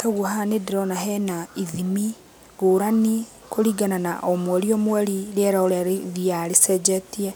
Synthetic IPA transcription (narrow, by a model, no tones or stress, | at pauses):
taɣwɔɦanedeɾɔnaɦɛnaiðimi | ɡoːɾani | koɾiɡananaʔɔmwɛɾiɔmwɛɾiɾeɛɾaoɾðiaɾesɛd͡ʒɛtiɛ